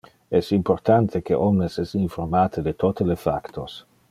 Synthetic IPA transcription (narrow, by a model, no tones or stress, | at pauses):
ɛsimport̪ant̪ʰekeʔɔmnesɛsiɱformaːt̪ed̪et̪ot̪elefakt̪ʰos